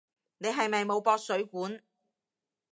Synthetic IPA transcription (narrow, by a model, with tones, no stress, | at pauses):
ne˨˧jɦɐ˨jmɐ˨jmo˨˧wpɔː˧t̚sɵ˨˥ɥkuː˨˥n